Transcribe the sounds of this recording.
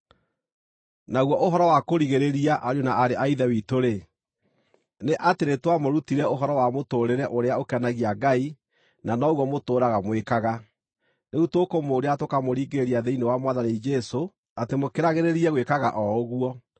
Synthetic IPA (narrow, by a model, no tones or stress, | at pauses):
naɣwɔʔoɦɔɾɔwakoɾiɣeɾeɾiaʔaɾjonaaɾeaiðɛwitoɾe | neʔateɾetwamoɾutiɾɛoɦɔɾɔwamotoːɾeɾɛʔoɾeaokanaɣiaɡai | nanɔɣwɔmotoːɾaɣamwekaɣa | neutokomoːɾeatokamoɾiːɡeɾeɾiaðeinewamwaðanid͡ʒɛso | atemokeɾaɣeɾeɾiɛɣwekaɣa̰ʔɔoɣuɔ